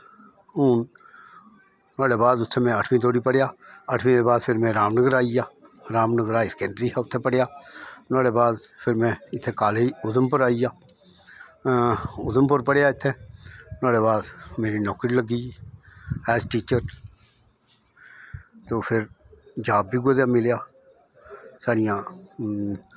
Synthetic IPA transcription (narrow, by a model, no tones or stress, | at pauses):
uːn | naːɽeːbaːd̪ʊt̪ʰːemɛ̃əʈʰmĩt̪̬oːɽiːpəɽjaːəʈʰʋĩːẽːbaːd̪pʰɪɾmẽːɾaːmnəɡəɾaːijaːɾaːmnəɡəɾaːisə̥kɛ̃ːɳɖɾiːɦɛːʊt̪ʰːepəɽejaːnoːɽeːbaːd̪pʰɪɾmẽɪt̪ʰːeːkaːleiʊd̪əmpəɾaːijaː | ʊd̪əmpəɾpəɽejaːɪt̪ʰːeːnaːɽeːβaːd̪meːɾinɔːkɾiːləɡiː | ɛːsʈiːt͡ʃəɾ | t̪oːpʰɪɾ | d͡ʒaːbːiɡʊd̪jãːmɪlejaː | saːɾɪjãː